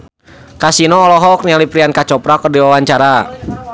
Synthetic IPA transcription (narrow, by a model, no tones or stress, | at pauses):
kasinɔːlɔɦɔk̚nialipɾiankat͡ʃɔpɾakərdiwawaɲt͡ʃaɾa